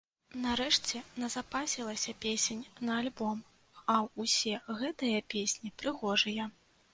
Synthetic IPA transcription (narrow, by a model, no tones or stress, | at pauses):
nɐɾɛʂt͡sʲɛnɐzapasʲilˠɐsʲɐpʲesʲenʲnɐːlʲbɔm | ɐwusʲɛɣɛt̪ɐjɐpʲesʲnʲipɾɨɣɔʐɨjɐ